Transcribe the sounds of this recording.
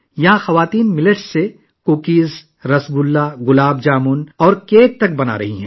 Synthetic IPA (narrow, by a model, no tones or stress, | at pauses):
jɐɦãxɐʋaːt̪iːnmɪləʈse | koːkiːz | ɾɐsɡʊlːaɣʊlaːb̚d͡ʒaːmʊnɔːɾkeːk̚t̪ɐk̚bɐna̰ːɾɐ̰ɦiɦɛ̃ː